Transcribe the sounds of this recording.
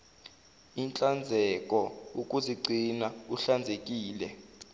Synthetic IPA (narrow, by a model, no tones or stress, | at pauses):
int͡ɬʼand͡zʱɛkʼɔukʼuziɡ͡ǀʱinauɬand͡zʱek̬ʼiːlɛ